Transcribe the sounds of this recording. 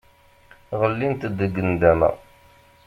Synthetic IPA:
ʁəlːint̪d̪əɡːənd̪ænə̰ʁ

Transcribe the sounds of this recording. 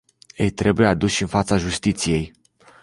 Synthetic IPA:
jejt̪ɾe̞bujead̪uʃɨnfat̪saʒust̪it̪sije̞j

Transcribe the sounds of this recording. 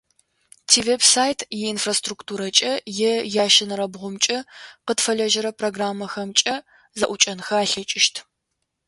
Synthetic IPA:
tʰiːvebsaːjtʰjɛinfrastruktʰuːɾɐt͡ʃʼɐjɛjaːʃɪnɨɾɐbʁʷʊmt͡ʃʼɐqətfɐɮɐʒɐɾɐpʰroɡraːmːɐxɐmt͡ʃʼɐ | zɐʔʷʊt͡ʃʼɐnxɐaːɬɐt͡ʃʼɪʃtʰ

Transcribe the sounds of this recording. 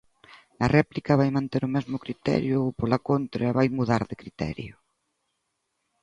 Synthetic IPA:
nɐrɛplikɐβajmãnt̪eɾʊmɛzmʊkɾit̪ɛ̰ɾjʊpolakont̪ɾɐβajmuðaɾðɪkɾit̪ɛ̰ɾjʊ

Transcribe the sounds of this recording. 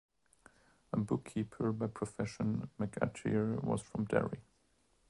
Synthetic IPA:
əbʊkʰːipʰə˞baɪpʰɹ̥ɔfɛʃə̃nmɨkʰæ̰tʰḭ˞wʌ̰z̥fɹʌ̃mdɛ̰ɹi

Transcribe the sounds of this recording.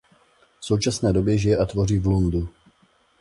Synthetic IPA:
fso̞wt͡ʃasnɛːdo̞bjɛʒɪjɛʔat̪vo̞riːvlundu

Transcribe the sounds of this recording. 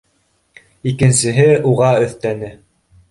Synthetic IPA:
ikɘ̆nsɘ̆ɦɘuʁɑɵ̆θt̪ænɘ

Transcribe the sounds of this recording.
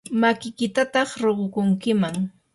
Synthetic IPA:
makɪkɪt̪at̪ɑχɾoɢokʊŋkɪmaŋ

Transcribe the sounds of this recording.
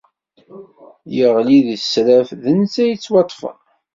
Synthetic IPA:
jəʁliðsɾæfðənt͡sːæjət͡sːwɑt̪ˤːfə̰

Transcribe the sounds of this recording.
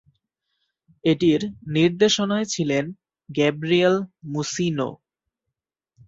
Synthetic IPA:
eʈiɾniɾd̪eʃonaet͡ɕʰilen | ɡɛbɾielmusino̰

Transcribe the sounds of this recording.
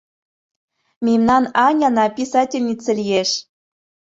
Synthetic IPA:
mʲimnɑnɑnʲɑnɑpʲisɑtʲɪlʲnʲit͡sə̆lʲijeʃ

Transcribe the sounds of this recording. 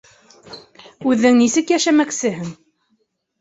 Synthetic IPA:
ʉðːɘŋnisɘkjæʃæmæksɘɦɘn

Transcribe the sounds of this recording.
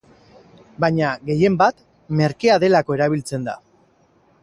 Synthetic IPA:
bajɲaɣe̞je̞mbat̪ | me̞ɾkeaðe̞lako̞e̞ɾaβ̞ilt͡se̞nd̪a̰

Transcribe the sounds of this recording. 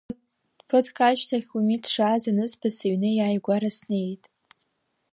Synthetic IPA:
pʰɨtʰkʼat͡ʃtʰaχʲumitʰʂaːzanɨspʰɨsɨɥnɨjaːjɡʷaɾasne̞jtʼ

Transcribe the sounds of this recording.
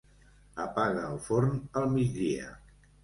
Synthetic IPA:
əpaɣəːlˠfoɾnəlˠmid͡zðiə̰

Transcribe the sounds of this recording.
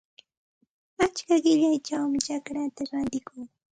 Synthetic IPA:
at͡ʃkaɢɪʎajt͡ʃawmɪt͡ʃakɾat̪aɾant̪ɪkuŋ

